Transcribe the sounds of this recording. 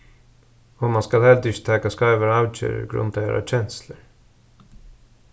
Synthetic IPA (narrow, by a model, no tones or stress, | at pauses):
ɔmɑnskɑlhɛld̪ʏʃt̪ʰɛkaskɑɪʋəɾɑʉt͡ʃḛːɾə̰ɾɡɾʉ̰nt̪eɾa̰t͡ɕɛnsləɾ